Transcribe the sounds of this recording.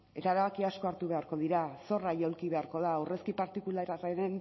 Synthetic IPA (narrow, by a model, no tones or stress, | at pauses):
e̞t̪aeɾaβakiasko̞aɾt̪uβe̞aɾko̞ð̞iɾaso̞rajo̞lkiβe̞aɾko̞ðaːwre̞skipaɾt̪ikulaɾareɾen